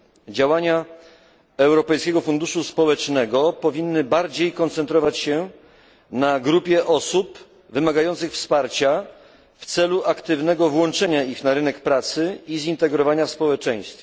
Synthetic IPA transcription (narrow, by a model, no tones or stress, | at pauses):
d͡ʑawaɲa | ɛwɾɔpɛjskʲɛɡɔfund̪uʂuspɔwɛt͡ʂnɛɡɔpɔvʲinːɘbaɾd͡ʑejkɔnt̪sɛnt̪ɾɔvat͡ɕɕɛ | naɡɾupʲjɛʔɔsup | vɘmaɡajɔnt̪sɘxfspaɾt͡ɕa | ft̪sɛluʔakt̪ɘvnɛɡɔvwɔnt͡ʂɛɲaixnaɾɘnɛkpɾat̪sɘizint̪ɛɡɾɔvaɲaspɔwɛt͡ʂɛ̃j̃st̪fʲ